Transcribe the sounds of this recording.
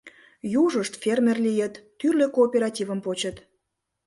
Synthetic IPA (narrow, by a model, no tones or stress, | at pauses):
juʒəʃt̪fʲermʲerlijət̪ːyrløkoːpʲeɾɑtʲivəmpot͡ɕət̪